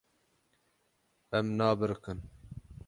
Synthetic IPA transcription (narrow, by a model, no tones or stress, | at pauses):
ɛmnɑːbɨɾkɨn